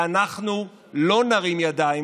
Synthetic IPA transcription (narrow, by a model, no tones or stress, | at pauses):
anaχnu | lo̞naʁimjad̪ai